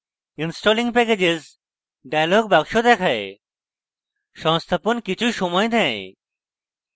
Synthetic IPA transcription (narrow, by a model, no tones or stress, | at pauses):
insʈoliŋɡ̚pɛked͡ʑez | ɖajalɔɡ̚baɡʃod̪ɛkʰae | ʃɔ̃st̪ʰaponkit͡ɕʰujʃɔmɔjd̪ʱɛ̃